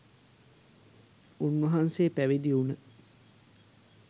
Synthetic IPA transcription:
unʋɐɦanseːpæʋid̪iunə

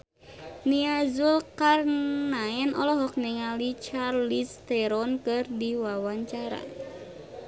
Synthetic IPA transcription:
niazulkarnaɛnɔlɔɦɔk̚nɛŋalit͡ʃarlist̪ɛɾɔnkɨrdiwawaɲt͡ʃaɾa̰

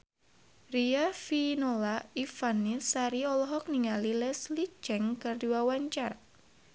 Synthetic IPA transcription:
riafinolaifanisaɾiɔlɔɦɔk̚niŋalilɛsli̥t͡ʃɛŋkərduawaɲt͡ʃar

